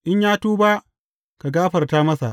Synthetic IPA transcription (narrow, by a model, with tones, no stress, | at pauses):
ʔɪ˦ɲjaː˦tuː˦ba˦ʔ | ka˨ɡaː˦ɸɐ˨rtaː˦mɐ˦sa̰˨ʔ